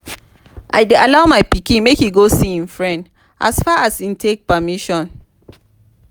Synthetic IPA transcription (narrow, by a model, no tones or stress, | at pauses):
ʔa̰jdealaʊmaɪpikĩnmekhiɡosiĩnfɹɛ̃nd | ʔa̰sfaasintʰek̚pəmiʃɔ̃n